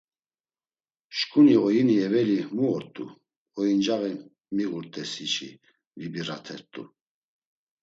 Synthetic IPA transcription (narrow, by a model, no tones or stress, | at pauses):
ʃkʼuniɔjiniɛvɛlimuɔɾt̪ʼṵ | ɔjind͡ʒaɣi | miɣuɾt̪ʼɛsit͡ʃʰḭ | vibiɾat̪ʰɛɾt̪ʼṵ